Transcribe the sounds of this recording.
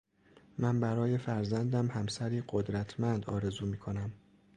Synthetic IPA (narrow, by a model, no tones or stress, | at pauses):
mænbæɾɒːje̞fæɾzænd̪æmhæmsæɾiːɢod̪ɾæt̪ʰmænd̪ɒ̰ːɾe̞zuːmiːkʰo̞næm